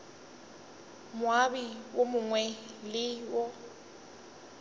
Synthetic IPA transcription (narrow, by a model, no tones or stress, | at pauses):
mʊabiwomʊŋwɛlɪwɔ